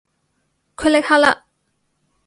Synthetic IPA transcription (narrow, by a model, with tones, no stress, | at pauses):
kʰə˥le˥k̚ha˥la̰˧˨